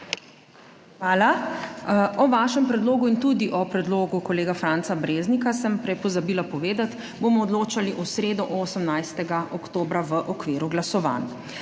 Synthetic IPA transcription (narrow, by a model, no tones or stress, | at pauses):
xʋaːla | ɔʋaːʃɛmpɾɛd̪loːɡuint̪ud̪iʔɔpɾɛd̪loːɡukɔleːɡafɾant̪sabɾeːznikasəmpɾɛpɔzabiːlapɔʋeːd̪at̪ | bomɔːd̪loːt͡ʃaliʔɔsɾeːd̪ɔʔoːsəmnajst̪ɛɡaʔɔkt̪oːbɾaʋəʔɔkʋiːɾuɡlasɔʋa̰ːn